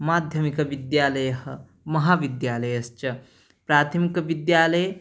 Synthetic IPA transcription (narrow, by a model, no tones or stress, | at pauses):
maːd̪ʱjɐmikɐʋid̪jaːlɐjɐɦɐ | mɐɦaːʋid̪jaːlɐjɐst͡ʃɐ | pɾaːt̪ʰɐmikɐʋid̪jaːlɐj